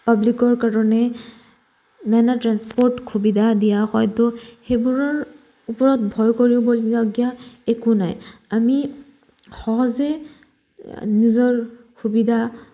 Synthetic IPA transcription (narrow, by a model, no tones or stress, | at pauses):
pablikɔɹkaɹɔnɛ | nanatɹanspɔɹtxʰubidʱadijaxɔ̰jtʊxejbuɹɔɹ | upɔɹɔtbʱɔjkoɹibɔlɡɔɡijaekuna̰jami | xɔɦɔzɛ | nizɔɹ | xubidʱa